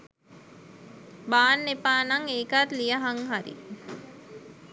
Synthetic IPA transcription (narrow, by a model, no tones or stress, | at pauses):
baːnːepaːnaŋeːkat̪lijəɦaŋɦaɾḭ